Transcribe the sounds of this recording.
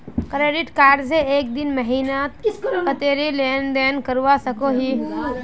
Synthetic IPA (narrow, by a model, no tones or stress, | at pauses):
kɾeːɖɪʈkaːɾɖseeːk̚d̪ɪnmɐɦiːnaːt̪ət̪eːɾileːnɖ̪eːnkəɾʋasɐkoɦiː